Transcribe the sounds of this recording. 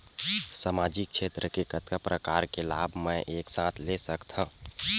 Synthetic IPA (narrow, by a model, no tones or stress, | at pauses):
samad͡ʒik̚t͡ʃʰet̪ɾəkekət̪kapɾəkaɾkela̰bʱmɛ̃ʔeksãt̪ʰlesəkt̪ɦə̃